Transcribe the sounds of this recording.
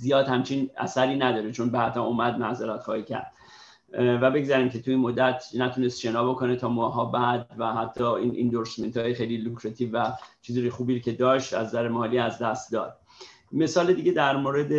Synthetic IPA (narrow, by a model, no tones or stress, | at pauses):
zijɒːd̪hæmt͡ʃʰinæ̰sæɾiːnæd̪ɒːɾet͡ʃʰo̞nbææt̪ʰɒomæd̪̚mæhzeɾæt̪χɒːhiːcʰæ̰ɾd̪̥ | væbe̞ɡzæɾiːmcʰe̞t̪ʰuinmod̪ːæt̪ʰnæt̪ʰunest̪ʃenɒːboko̞net̪ʰɒːmɒːɦɒːbæd̪̚væhæt̪ʰːɒːiːnʔḭnd̪oɾsment̪ʰɒːjexejlilukʰɾet̪ʰivːæt͡ʃʰiːziɾxuːbiːɾcʰe̞d̪ɒːʃt̪æ̰zzæɾemɒːliːæzd̪æst̪̚d̪ɒ̰ːd̪̥̚ | me̞sɒːled̪iːɟe̞d̪æɾmoːɾe̞d̪e